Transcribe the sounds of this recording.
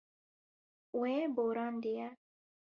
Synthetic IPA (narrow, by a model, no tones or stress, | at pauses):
weboːɾɑːnd̪iɛ